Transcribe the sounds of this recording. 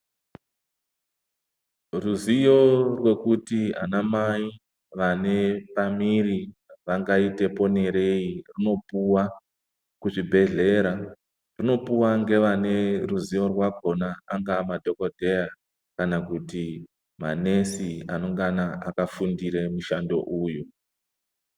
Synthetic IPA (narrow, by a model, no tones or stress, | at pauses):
ruzijo̞rwe̞kutia̰namai | ʋane̞pamiriʋaŋɡaite̞po̞ne̞ɾe̞irino̞puwa | kuʐibʱe̞ɮe̞ɾa | rino̞puwaŋɡe̞ʋane̞ruzijo̞rwaɡʱo̞naaŋɡamadʱo̞kodʱe̞ja | kanakuti | ma̰ne̞sia̰no̞ŋɡanaakafundiɾe̞muʃando̞̰ʔuːju